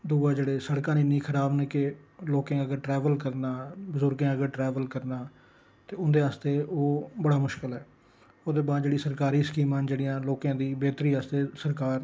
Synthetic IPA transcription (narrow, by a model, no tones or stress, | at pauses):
d̪uːaːd͡ʒeːɽeːsəɽkãːnɪnĩːkʰəɾaːbneːkɪloːkãːəɡəɾʈɾɛːʋəlkəɾnaːbʊzəʊɾɡãːəɡəɾʈɾɛːʋəlkəɾnaː | t̪eːʊnd̪eːɦaːst̪eːʔoːbəɽaːmʊʃkəlɦɛː | oːd̪eːbaːd̪d͡ʒeːɽiːsəɾkaːɾiːskiːmãːd͡ʒeːɽijãːloːkãːd̪iːbeːt̪ɾiːɦaːst̪eːsəɾkaːɾ